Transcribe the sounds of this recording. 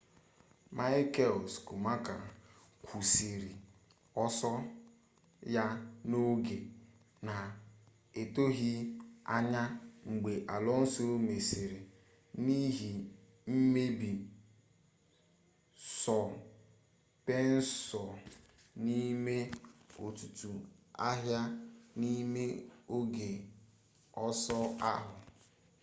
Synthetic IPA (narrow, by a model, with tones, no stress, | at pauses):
ma˦jɪ˦ke˦˨lskʊ˨ma˦ka˨ | kʷʰu˨se˨ɾi˨ | ɔ˦sɔ˦ | ja˦no˦ɡe˨ | na˨ | e˨to˦ɦi˦a̰˦ɲa˦ŋ͡m̩˨ɡ͡be˨ʔa˨lɔ˦n̩˦so˦me˨se˨ɾi˨ | ni˦ɦi˨ | m̩˦me˦bi˨ | sɔ˨ | pe˦n̩˦sɔ˨ | ni˦me˦o˨tu˨tu˨a˦ɦja˦ni˦me˦o˦ɡe˨ | ɔ˦sɔ˦a˦ɦʊ˨